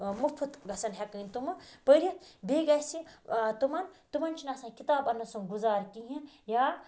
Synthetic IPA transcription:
mupʰut̪ɡʱɐsɐnɦʲɛkəjnʲt̪umɐpəɾʲjɐt̪bʱeːɡajsit̪umɐnt̪umɐnt͡ʃʰinasãkit̪aːbɐnːɐsuŋɡuzaːɾkiɦĩ | jaː

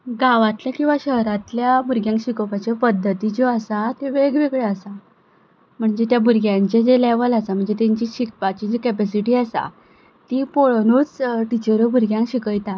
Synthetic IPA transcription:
ɡaʋat̪ljakĩw̃ʋaɕəɦɾãt̪ljabuɾɡjãŋkɕikəpat͡ɕapəd̪ʱːət̪id͡zoasat̪eʋeɡʋeɡɭeasa | m̤əɳd͡zet̪jabuɾɡjãɲt͡ɕed͡zeleʋəlasam̤əɳd͡zet̪eɲt͡ɕiɕik̚pat͡ɕid͡ʑikɛpɛsiʈiːasa̰ | t̪ipoɭnut͡sʈit͡ɕəɾobuɾɡjãŋkɕikəjt̪a

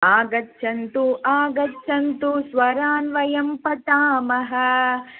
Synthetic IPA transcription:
aːɡɐtːʃʰɐnt̪uʔaːɡɐtːʃʰɐnt̪usʋɐɾaːnʋɐjɐmpɐt̪aːmɐɦɐ̆

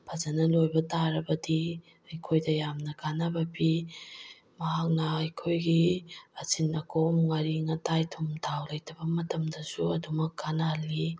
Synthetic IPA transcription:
pʰɐzanɐlojbɐtaɾɐbɐdi | ɐjkʰojdɐjamnɐkanabɐpi | mɐhak̚nɐːjkʰojɡiɐsinɐkʰomŋaɾiŋɐtajtʰumtʰawlɐjtɐbɐmɐtɐmdɐsuɐdumɐkːanali

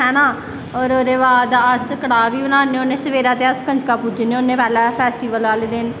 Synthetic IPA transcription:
ɦɛːnãː | ɔːɾoːɾeːʋaːd̪aəsəkəɽaːʋiːbənãːneoneːsəʋeːɾaːt̪eːəskə̃ɲd͡ʒkaːpud͡ʒneːoːnːẽːpɛːlɛːpʰɛːsʈiːʋəlʋaːleːd̪ɪn

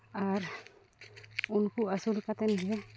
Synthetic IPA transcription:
aɾ | unkuʔasulkat̪ɛnɦɛ

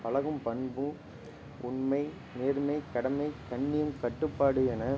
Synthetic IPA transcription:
pɐlɐɣɯmpɐɳbɯ̃ | ʊɳmɐɪ | neːɾmɐɪkɐɽɐmɐɪkɐɳːɪjɯmkɐʈːɯpːaːɽɯɛnɐ

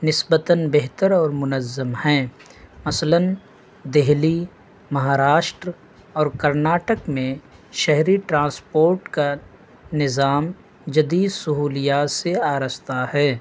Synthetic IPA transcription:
nɪsbət̪ənbeɦt̪əɾɔːɾmʊnəzːəmhɛ̃ːmɐslən | d̪eɦli | mɐɦaːɾaːʃʈɾ | ɔːɾkɐɾnaːʈəkmẽʃɛɦɾiʈɾãːspoːɾʈka | nɪzaːm | d͡ʒɐd̪iːd̪sʊɦuːlijaːt̪seaːɾəst̪ahɛː

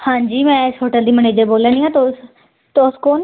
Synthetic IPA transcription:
hãːɲd͡ʒiːmɛ̃ːɪsɦoːʈəld̪iːməneːd͡ʒəɾboːlə̃ːniːãːt̪oː | t̪oskoːn

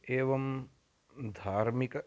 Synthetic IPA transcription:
eːʋɐm | d̪ʱaːɾmikɐ

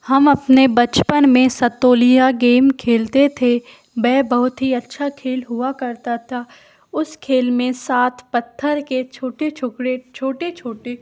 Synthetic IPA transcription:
hɐmɐpnebɐt͡ʃpənmẽsɐt̪oːlijaɡeːmkʰeːlt̪et̪ʰe | bɛːbɐɦʊt̪ɦiɐtːʃʰakʰeːlɦʊakɐɾt̪at̪ʰaː | ʊskʰeːlmẽsaːt̪ʰpɐt̪ʰːəɾket͡ʃʰoːʈet͡ʃʰʊkɾet͡ʃʰoːʈet͡ʃʰoːʈe

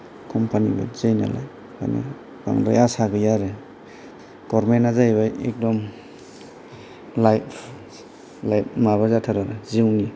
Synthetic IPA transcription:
kʰɔmpʰaniba̰zejna̰la̰j | kʰa̰jna̰ | ba̰ŋdajasaɡɯjaɾe | ɡ̥ɔɾmenazajβaḛk̚dɔm | lajpʰ | lajp̚maβazatʰaɾaɾeziwni

